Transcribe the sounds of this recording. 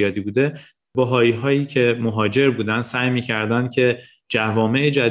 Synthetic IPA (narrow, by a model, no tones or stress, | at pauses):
ɒːd̪iːbuːd̪e̞ | bɒɦɒːiːɦɒːjiːcʰe̞moɦɒːd͡ʒe̞ɾbuːd̪ænsæːjmiːcʰæɾd̪ænd̪̥̚cʰe̞ | d͡ʒævɒːme̞ʔed͡ʒæ